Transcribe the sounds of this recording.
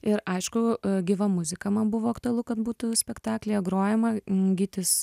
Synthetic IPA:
ɪɾɐɪʃkʊɡʲiʋɐmʊzʲɪkɐmɐnbʊʋoːɐkt̪ʊɐlˠʊkɐt̪buːt̪ʊsʲpʲɛkt̪ɑːklʲeːɡɾoːjɛmɐɡʲiːt̪ʲɪs

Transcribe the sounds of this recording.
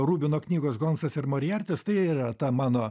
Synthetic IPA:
ruːbʲɪnoːknʲiːɡoːsɡoːmsɐsɪɾmoːɾʲɪjɛrʲt̪ʲɪst̪ɐɪiːɾɐt̪ɐmɑːnoː

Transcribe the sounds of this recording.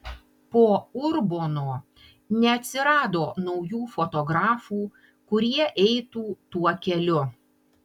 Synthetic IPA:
poːʊɾboːnoː | nʲɛɐt̪ʲsʲɪɾɑːd̪oːnɒʊjuːfɔt̪ɔɡɾɑːfuː | kʊɾʲiɛʔɛɪt̪uːt̪uɔkʲɛlʲʊ

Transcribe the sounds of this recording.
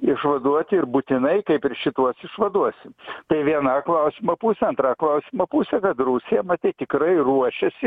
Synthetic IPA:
ɪʃʋɐd̪uɔt̪ʲɪɾbut̪ʲɪnɐɪkɐɪpɪɾʃʲɪt̪uɔsɪʃʋɐd̪uɔsʲɪmt̪ɐɪʋʲiɛnɑːklˠɐʊsʲɪmɐpuːsʲɛɐnt̪ɾɑːklˠɐʊsʲɪmɐpuːsʲɛkɐt̪ruːsʲɪjɛmɐt̪ʲɛt̪ʲɪkɾɐɪruɔʃʲɛsʲɪ

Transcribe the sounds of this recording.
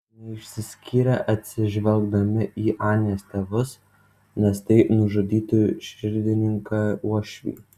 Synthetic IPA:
nʲɛɪʃʲsʲɪsʲkʲiːɾʲɛʔɐt̪ʲsʲɪʒʲʋʲɛlˠɡd̪ɐmʲɪʔiːʔɑːnʲeːst̪ʲeʋʊs | nʲɛst̪ɐɪnʊʒʊd̪ʲiːt̪ʊʃʲɪɾʲd̪ʲɪnʲɪŋkɑuɔʃʲʋʲḭː

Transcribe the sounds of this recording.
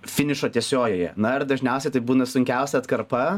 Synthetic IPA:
fʲɪnʲɪʃoːt̪ʲiɛsʲoːɡjoːjɛ̰nɐɪrd̪ɐʒʲnʲɛˑʊsʲɛɪt̪ɐɪbuːnɐsʊŋʲkʲɛʊsʲɛɐt̪kɐɾpɐ

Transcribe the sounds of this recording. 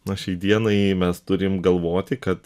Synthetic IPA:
nɐʃʲɛɪd̪ʲiɛnɐɪmʲɛst̪ʊɾʲɪmɡɐlˠʋoːt̪ʲɪkɐt̪

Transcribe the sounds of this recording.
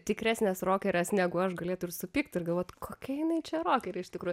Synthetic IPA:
t̪ʲɪkɾʲæːsʲnʲɛsroːkʲɛɾʲɛsnʲæːɡʊɐʃɡɐlʲeɛt̪ʊɪrsʊpʲiːkt̪ʲɪrɡɐlˠʋoːt̪ʲkʰoːkʲɛjɪnɐɪt͡ʃʲɛroːkʲɛɾʲɛɪʃʲt̪ʲɪkɾuːjʊ

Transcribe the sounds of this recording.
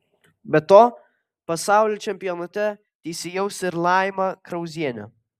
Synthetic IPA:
bʲɛt̪oː | pɐsɑˑʊlʲoːt͡ʃʲɛmʲpʲɪjɔnɐt̪ʲɛ | t̪ʲɛɪsʲɪjɛʊsɪɾlˠɑːɪmɐkɾɐʊzʲiɛnʲɛ̰

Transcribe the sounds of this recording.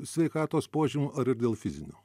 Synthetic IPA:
sʲʋʲɛɪkɑːt̪oːspoːʒʲɪmʲuːʔɐɾɪɾd̪ʲeːlˠfʲɪzʲɪnʲoː

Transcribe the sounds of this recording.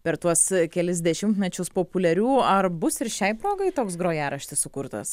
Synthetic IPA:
pʲɛɾt̪uɔskʲɛlʲɪzʲd̪ʲɛʃʲɪmt̪mʲɛt͡ʃʲʊspoːpʊlʲɛɾʲuːɐrbʊsɪɾʃʲɛɪpɾoːɡɐɪt̪oːks̬ɡɾoːjæːɾɐʃʲt̪ʲɪssʊkʊɾt̪ɐ̰s

